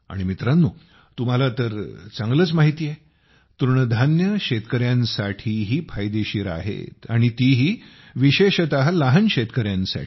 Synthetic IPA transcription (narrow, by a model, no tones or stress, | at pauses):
a̰ɽ̃imit̪ɾãnːuː | t̪um̤alat̪əɾt͡səŋɡlət͡smaɦit̪iːjɛ | t̪uɾɳəd̪ʱanjəɕet̪kəɾjãnsaʈʰiːɦiːpʰajd̪eɕiːɾa̰ɦḛt̪aɽ̃it̪iɦiː | ʋiɕeɕət̪aɦlaɦənɕet̪kəɾjãnsa̰ʈʰi̥